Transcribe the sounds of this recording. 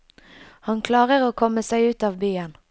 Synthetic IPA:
hɑnkʰlɑːʁəʁoːkʰɔməsæɪʉːt̪ɑːʋbyːən

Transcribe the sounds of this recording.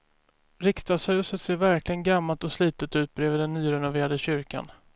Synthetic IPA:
ɾɪkst̪ashʉ̟ːsət̪seːɾvæɾklɪɡənɡamːalt̪ɔsliːt̪ət̪ʉ̟ːt̪̚bɾeːvɪd̪ɛnːyːɾɛnʊveːɾad̪əɕʏɾka̰n

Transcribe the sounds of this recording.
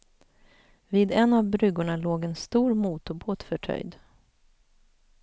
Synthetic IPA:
viːd̪ɛnːavbɾʏɡʊɳaloːɡɛnst̪uːɾmuːt̪ʊboːt̪fœʈʰœ̰jd̪

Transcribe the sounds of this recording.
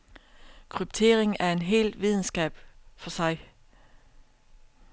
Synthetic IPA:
kʰʁyb̥̚t͡sʰe̝̰ːɐʁeŋæɐe̝nɦe̝̰ːld̥ʋið̞ˠn̩sɡ̥ɛ̰ːb̥fɒ̽sɑ̈ɪ

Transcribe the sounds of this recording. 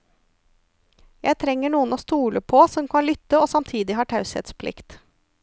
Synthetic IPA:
jæɪt̪ʰɾɛŋːəɳuːənoːst̪uːləpʰɔsɔmkʰɑnlʏt̪ːəoːsɑmt̪ʰiːd̪ɪɦɑːʈʰɑʉshɛ̰t̪spʰlɪ̰kt̪

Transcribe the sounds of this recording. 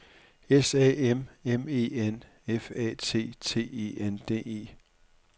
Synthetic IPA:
esɛ̰ememe̝̰ːen | efɛ̰ːt͡sʰe̝̰ːt͡sʰe̝̰ːe̝̰ːend̥e̝̰ːe̝̰ː

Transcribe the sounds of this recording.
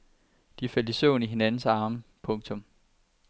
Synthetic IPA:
d̥ifel̰d̥isɔʊniɦe̝nænn̩sɑ̈ːməpʰɔ̽ŋt͡sʰɔ̽m

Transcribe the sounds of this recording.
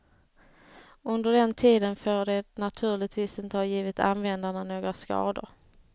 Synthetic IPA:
ɵnd̪əɖɛnt̪ʰiːd̪ənfoːɖɛnat̪ʰʉ̟ːɭɪɡt̪viːsɪnt̪əhɑːjiːvɪt̪a̰nvɛnd̪aɳanoːɡɾaskɑ̰ːd̪ʊ̰ɾ

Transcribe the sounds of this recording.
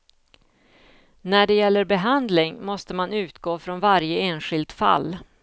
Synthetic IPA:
næɖɛjɛlːəɾbɛɦand̪lɪŋmɔst̪əmanʉ̟ːt̪ɡoːfɾɔnvaɾjəeːnɧɪld̪fa̰lː

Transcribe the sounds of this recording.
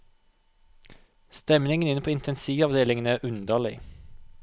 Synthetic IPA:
st̪ɛmnɪŋənɪnpʰoːɪnt̪ʰɛnsiːʋɑʋd̪eːlɪŋənæʔʉnd̪əlɪ̰

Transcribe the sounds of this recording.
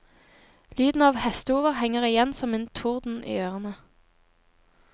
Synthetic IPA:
lyːd̪n̩ɑːʋhɛst̪əuːʋəʁhɛŋəʁɪjɛnsɔmeːnt̪ʰʊʁd̪n̩ʔḭːøːʁənə

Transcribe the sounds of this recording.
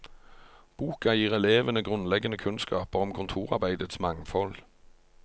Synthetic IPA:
b̥uːkɑjiːʁɛleːʋənəɡʁʉnlɛɡənəkʰʉnskɑːpəʁɔmkʰʊnt̪ʰuːʁɑ̰ʁbæɪd̪ət̪smɑŋfɔl

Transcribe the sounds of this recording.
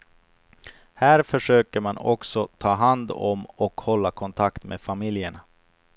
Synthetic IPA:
hæːɾfœʂøːkəɾmanɔ̰ksɔt̪ʰɑːɦand̪ɔ̰mɔkhɔlːakʰɔnt̪ʰakt̪mʔḛːfamɪljəɳa

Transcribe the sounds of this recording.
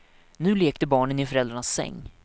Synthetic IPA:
nʉ̟ːleːk̚t̪əbɑːɳənɪfœɾɛld̪ɾaɳasːɛ̰ŋː

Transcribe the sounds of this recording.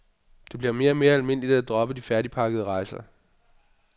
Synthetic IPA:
d̥e̝b̥liɐme̝ːɐæme̝ːɐælme̝n̰lid̥æd̥ʁɒ̽b̥əd̥ifæɐɾipʰɑ̈ɡ̥əð̞ˠəʁɑ̈ɪsɐ

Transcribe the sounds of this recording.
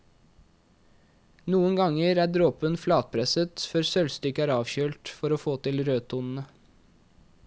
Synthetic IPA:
nuːənɡɑŋəɾæːɖɾoːpənflɑːt̪̚pʰɾɛsət̪fœɾsœlst̪ʏkəæːɾɑːʋçøːlt̪fɔɾoːfoːt̪ɪlɾøːt̪ʰuːnn̩ə

